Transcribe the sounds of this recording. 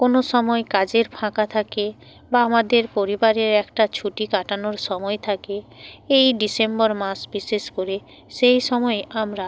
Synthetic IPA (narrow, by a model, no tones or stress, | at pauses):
konoʃɔmɔekad͡ʑeɾpʰãkat̪ʰake | baamad̪eɾpoɾibaɾeɾɛkʈat͡ɕʰuʈikaʈanoɾʃɔmɔet̪ʰakeejɖisembɔɾmasbiʃeʃkoɾe | ʃejʃɔmɔeʔamɾa